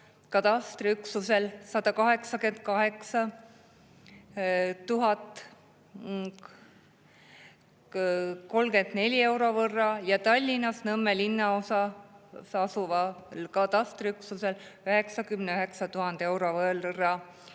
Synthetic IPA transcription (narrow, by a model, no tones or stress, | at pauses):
kɑt̪ɑst̪ɾriyksuse̞lsɑd̪ɑkɑɦe̞ksɑke̞nd̪̥̚kɑɦe̞ksɑ | t̪uɦɑt̪ːˑ | ko̞lɡe̞nd̪̥ne̞lʲie̞wɾo̞vɤrːɑjɑt̪ɑlʲːinɑsnɤmːelinːɑo̞sɑsɑsuvɑlkɑt̪ɑst̪riyksuse̞lyɦe̞ksɑkymneyɦe̞ksɑt̪uɦɑnd̪̥e̞wɾo̞vɤlrːɑ